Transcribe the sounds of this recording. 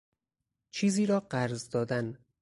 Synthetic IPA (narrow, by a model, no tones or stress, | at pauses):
t͡ʃʰiːziːɾɒːɢæɾzd̪ɒːd̪æn